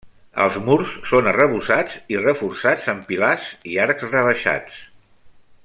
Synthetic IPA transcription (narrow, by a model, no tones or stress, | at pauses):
ə̰lˠzmuɾsːonərəβ̞usat͡sirəfursad͡zəmpilaziaɾkzrəβ̞əʃa̰t͡s